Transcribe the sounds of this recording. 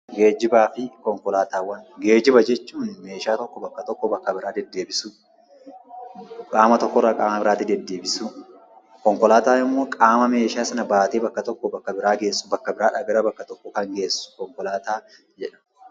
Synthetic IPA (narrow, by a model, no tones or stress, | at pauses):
ɡe̞ːd͡ʒɪbaːfɪkɔŋkɔlaːt̪aːwɐnɡeːd͡ʒɪbɐd͡ʒɛt͡ʃːuːnme̞ːʃaːt̪ɔkːɔbɐkːɐt̪ɔkːɔbɐkːɐbɪɾaːd̪ɛd̪ːeːbɪsu | kʼaːmɐt̪ɔkːɔrːɐkʼaːmɐbɪɾaːt̪ɪd̪ɛd̪ːe̞ːbɪsu | kɔŋkɔlaːt̪aːɪmːo̞ːkʼaːmɐme̞ːʃaːsɐnɐbaːt̪eːbɐkːɐt̪ɔkːɔbɐkːɐbɪɾaːɡe̞ːsːʊ̥bɐkːɐbɪɾaːᶑɐɡɐɾɐbɐkːɐt̪ɔkːɔkɐŋɡe̞ːsʊ̥kɔŋkɔlaːt̪aː | d͡ʒɛᶑɐ̥